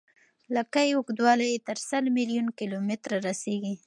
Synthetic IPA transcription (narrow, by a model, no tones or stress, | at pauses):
lakajeʊɡd̪wɑlajet̪əɾsəlmiljunkilomɪt̪ɾaɾaseɡi